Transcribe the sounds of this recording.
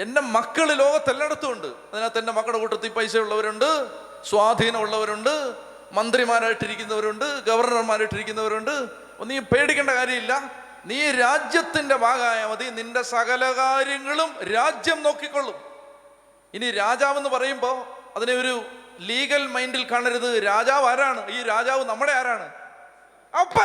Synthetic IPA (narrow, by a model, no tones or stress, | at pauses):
e̞nde̞mɐkːɐɭɨlo̞ːɣɐt̪ːelːɐɽɐt̪ːuɣo̞ɳɖɨɐðinaːt̪ːende̞mɐkːɐɭekuːʈːɐt̪ːipɐjsɐjuɭːɐʋɐɾuɳɖɨ | swaːd̪ʱiːnɐmuɭːɐʋɐɾuɳɖɨ | mɐnd̪rimaːɾaːjiʈːiɾikʲːunːɐʋɐɾuɳɖɨɡɐʋɐrɳɐrmaːɾajiʈːiɾikʲːunːɐʋɐɾuɳɖɨ | nːiːpe̞ːɽikʲːeɳɖɐkaːɾjɐmilːɐ | niːɾaːd͡ʑjɐt̪ːinde̞bʱaːɡɐaːjaːmɐðininde̞sɐɣɐlɐɣaːɾjɐŋːɐɭumɾaːd͡ʑjɐmno̞ːkːikʲːo̞ɭːum | iniɾaːd͡ʑaːʋe̞nːɨpɐrɐjumbo̞ːɐðineo̞ɾuliːɣɐlmɐjndilkaːɳiɾɐðɨɾaːd͡ʑaːʋaːɾaːɳɨiːɾaːd͡ʑaːʋɨnɐmːuɽe̞aːɾaːɳɨ | ɐpːɐ